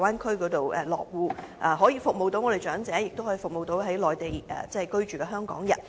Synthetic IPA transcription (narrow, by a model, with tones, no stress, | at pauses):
waː˥nkʰɵ˥kɔː˨˥t̪o˨wʔɛ̰˨˩lɔ̰ː˨k̚wuː˨˧ʔa˨ɦɔː˨˥jiː˨˧fʊ˨k̚mo˨wt̪o˧˥wŋɔː˨˧ɾe˨jt͡ʃœː˨˥ŋt͡sɛː˨˥jɪ˨k̚t̪o˥whɔː˨˥ji˧fʊ˨k̚mo˨wt̪o˧wɦɐ˨˥jlɔː˨˩jt̪e˨jɛ̰ː˨˩t͡sɛ˥hɐ˨˩kɵ˥ɥt͡ʃyː˨˩kɛː˧ɦœː˥ŋkɔ̰ː˨˥ŋjɐ̰˨˩t̚